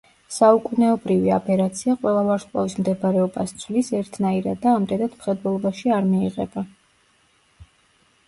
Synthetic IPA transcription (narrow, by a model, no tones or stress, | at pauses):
saukʼunɛɔbɾivia̰pʼɛɾat̪sʰiaqʼwɛlˠavaɾsʼa̰vismd̪ɛbɾɛɔbast̪sʰwlisɛɾt̪ʰnaiɾa̰d̪ːaːmd̪ɛd̪ad̪mχɛd̪vɛlˠɔbaʃiaɾmiiʁɛ̰ba